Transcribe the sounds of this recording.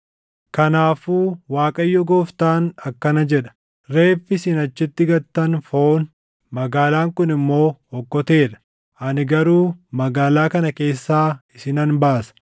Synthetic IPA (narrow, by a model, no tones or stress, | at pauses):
kɐnaːfuːwaːkʼɐjːɔɡoːft̪aːnɐkːɐnɐd͡ʒɛᶑɐ̥ | ɾe̞ːfːɪsɪnɐt͡ʃːɪt̪ːɪɡɐt̪ːɐnfo̞ːn | mɐɡaːlaːŋkʊnɪmːo̞ːhɔkːɔt̪e̞ːᶑɐ̥ | ʔɐnɪɡɐɾuːmɐɡaːlaːkɐnɐke̞ːsːaːɪsɪnɐnbaːsɐ̥